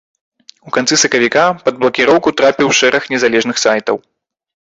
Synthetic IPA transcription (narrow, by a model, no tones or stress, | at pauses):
ukant̪sɨsɐkɐvʲikapɐd̪̚blˠɐkʲiɾɔwkut̪ɾapʲiwʂɛɾɐxnʲɛzalʲɛʐnɨxsajt̪ɐw